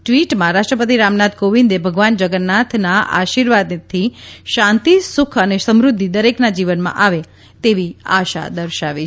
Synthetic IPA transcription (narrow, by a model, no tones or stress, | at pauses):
ʈʋiʈmãɾaʃʈɾəpət̪̬iɾamnat̪koʋĩnd̪ebʱəɡʋand͡ʒəɡənːat̪ʰnaʔa̰ʃiɾʋad̪t̪ʰːiʃãnt̪isʊkʰənesəmɾud̪ʱːid̪əɾeknad͡ʒiʋənmã̰ʔaʋe | t̪eʋia̰ʃa̰d̪əɾʃaʋi